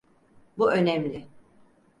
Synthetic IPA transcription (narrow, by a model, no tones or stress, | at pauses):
buʔø̞nɛmlʲɪ